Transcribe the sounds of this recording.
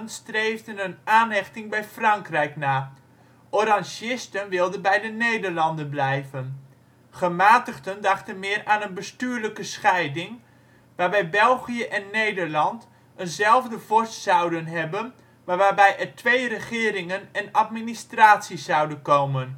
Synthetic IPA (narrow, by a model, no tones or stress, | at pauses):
nstrejvdənənaːnɦɛxtɪŋbɛjfrɑŋkrɛjknaː | ʔɔrɑnʃɪstənʋɪlˠdənbɛjdənejdəɹlɑndənblɛjvən | χəmaːtəxtəndɑxtənmɪːraːnənbəstyːɹləkəsxɛjdɪŋ | ʋaːrbɛjbɛlˠɣijəʔɛnːejdəɹlɑnt | ənzɛlˠvdəvɔɹstsɑwdənɦɛbən | ʋaːʋaːbɛjʔɛrtʰʋejrəχɪːɾɪŋənɛnatministraːtsiszawdənkoːmən